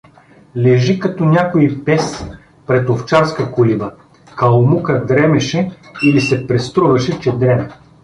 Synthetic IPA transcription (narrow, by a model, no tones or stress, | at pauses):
lɛʒikɐt̪ɔnʲakoipɛs | pɾɛt̪oft͡ʃaɾskɐkolibɐ | kɐlˠmukɐd̪ɾɛmɛʃɛilisɛpɾɛst̪ɾuvɐʃɛt͡ʃɛd̪ɾɛmɛ